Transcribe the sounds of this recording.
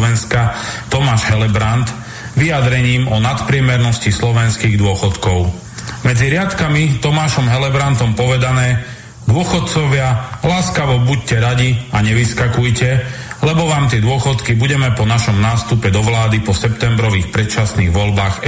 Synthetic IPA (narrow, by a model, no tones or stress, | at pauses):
ʋɛnskat̪ɔmaːʒɦɛlɛbɾant̪ | ʋiad̪ɾɛɲiːmɔnat̪pɾɪɛmɛɾnɔscislɔʋɛnskiːɣd̪ʊɔxɔt̪kɔʊ | mɛd͡ziɾɪat̪kamit̪ɔmaːʃɔmɦɛlɛbɾant̪ɔmpɔʋɛd̪anɛː | d̪ʊɔxɔt̪̚t͡sɔʋɪalaːskaʋɔbuc̚cɛɾaɟiaɲɛʋiskakujcɛlɛbɔʋaːmt̪ɪɛd̪ʊɔxɔt̪kibuɟɛmɛpɔnaʃɔmnaːst̪upɛd̪ɔʋlaːd̪ipɔsɛpt̪ɛmbɾɔʋiːxpɾɛt̪t͡ʃasniːɣʋɔʎbaːx